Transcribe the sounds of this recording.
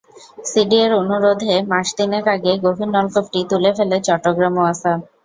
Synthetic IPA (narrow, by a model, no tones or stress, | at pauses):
siɖieɾonuɾod̪ʱemaʃd̪inekaɡeɡobʱinːɔlkopʈit̪ulefelet͡ɕɔʈːoɡɾamoasa